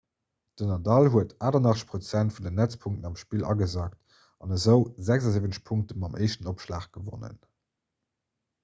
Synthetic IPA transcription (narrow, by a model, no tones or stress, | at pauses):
d̥ənɑdɑlɦuətʰʔaːdɐnɑχə̥ʃpʁot͡sæntfundənːæt͡spʰuŋk̚tənɑmʃpiːlʔɑ̰ɡəzaːkt | ɑnəzəʊzæɡzɑziːvənəʃpʰuŋk̚təmɑmʔeɪʃtənopʃla̰ːχɡ̥əvo̰nə̰n